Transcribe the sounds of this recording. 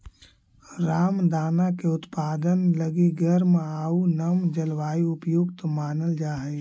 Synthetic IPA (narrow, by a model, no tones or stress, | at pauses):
ɾaːmd̪aːnakeʊt̪paːd̪ənləɡiɡəɾmaːunɐmd͡ʒəlʋaːiʊpjoɡt̪omaːnəld͡ʒaːɦɛ